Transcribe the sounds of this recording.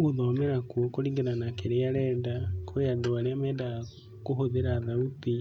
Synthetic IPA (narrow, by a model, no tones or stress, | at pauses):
uðɔmeɾakwɔkoɾiŋɡenanakeɾeaɾɛːndakʰojandoaɾeamɛːnda | kohoðeɾaðauti